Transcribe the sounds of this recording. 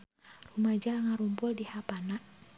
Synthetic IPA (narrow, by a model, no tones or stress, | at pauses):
rumad͡ʒarŋaɾumpʊldihapanaʔ